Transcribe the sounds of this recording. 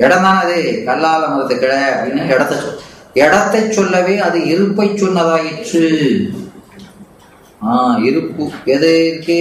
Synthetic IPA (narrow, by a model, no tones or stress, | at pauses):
ɛɽɐnd̪aːɐðɯkɐlːaːlɐmɐɾɐt̪ːɯkːɪɽɐjɐpɽinːaɛɽɐt̪ːɐt͡ʃːɔ | ɛɽɐt̪ːɐt͡ʃːɔlːɐʋeːɐðɯɪɾɯpːɐɪt͡ʃːɔnːɐðaːjɪʈrɯ | aːɪɾɯkːɯɛðɯkːɯ